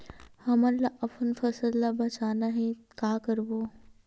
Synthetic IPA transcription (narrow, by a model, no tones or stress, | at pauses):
hɐmɐllːaʔɐpʰənfɐsəd̪lːabɐt͡ʃaːnaɦɛ̃kaːkəɾboː